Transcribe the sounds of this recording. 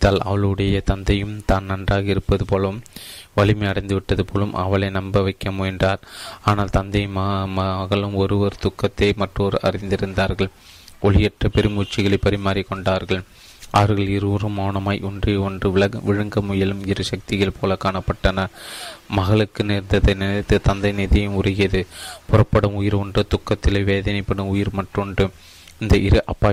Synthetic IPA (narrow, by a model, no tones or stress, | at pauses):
t̪ːaːlɐ̰ʋɐɭɯɽɐjɐt̪ɐnd̪ɐjɯmt̪aːnnɐndraːɣɐɪɾɯpːɐðɯpoːlɐɯmʋɐɭɪmɐɪɐɽɐɪnd̪ɯʋɪʈːɐðɯpoːlɯmʔɐ̰ʋɐɭɐɪnɐmbɐʋɐɪkːɐmʊɪndraːɾaːnaːlt̪ɐnd̪ɐɪmmɐɐɣɐɭɯmɔɾɯʋɐɾt̪ʊkːɐt̪ːeɪmɐʈroːɾɐ̰ɾɪnd̪ɪɾɯnd̪aːɾɣɐɭ | ʔɔɭɪjɛʈrɐpɛɾɪmut͡ʃːɪɣɐɭɐɪpːɐɾɪmaːɾikːɔɳɖaːɾɣɐɭ | ʔɐʋɐɾɣɐɭɪɾɯɾɯmoːɳɐmaːjʔɔndreːɔndrɯʋɪɐʋɪɻɐŋɡɐmʊjɐlɯmɪɾɯʃɐk̚t̪ɪjɐlpʰoːlɐkaːnɐpːɐʈːɐnɐmɐɣɐɭɯkːɯnɛɾnd̪ɐðɐnɪnɐt̪ːɯt̪ɐnd̪ɐɪnɪðɐjɯmʊrɐɣɪɐðɯpʊrɐpːɐɽɯmʊjɪɾɔndɯt̪ʊkːɐt̪ːɪlɐɪʋeːðɐnɐɪpːɐɽɯmʊjɪɾmɐʈrɔndɯ | ɪnd̪ɐʔɪɾɯʔɐpːaː